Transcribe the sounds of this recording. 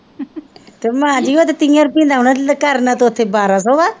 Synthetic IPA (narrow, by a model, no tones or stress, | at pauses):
t̪emãːd͡ʒiːot̪et̪ĩjaɾpĩnd̪aːunakəɾnat̪oːt̪ʰːebaːɾasɔːʋa